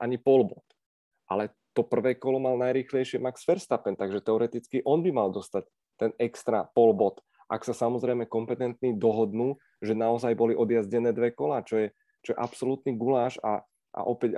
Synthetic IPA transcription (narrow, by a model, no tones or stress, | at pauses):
ʔaɲipɔlbɔt̪ | ʔa̰lɛ | t̪ɔpr̩ʋɛːkɔlɔmalnajɾiːxlɛjʃɪɛmaksfɛɾst̪apɛnt̪aɡʒɛt̪ɛɔɾɛt̪it͡skiʔɔnbimald̪ɔst̪ac̚ | t̪ɛnɛkst̪ɾa̰pɔlbɔt̪ | ʔa̰ksasamɔzɾɛjmɛkɔmpɛt̪ɛnt̪nid̪ɔɦɔd̪nuː | ʒɛnaɔzajbɔliʔɔd̪jazɟɛnɛːd̪ʋɛkɔlaːt͡ʃɔjɛ | t͡ʃɔjɛʔapsɔlut̪niɡulaːʃa̰ | ʔa̰ʔɔpɛɟ